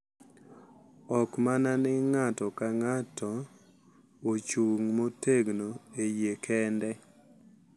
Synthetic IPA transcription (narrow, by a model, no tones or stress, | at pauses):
ɔkmananɪŋatɔkaŋatʰɔ | ot͡ʃuŋmoteɡnoejekʰɛndɛ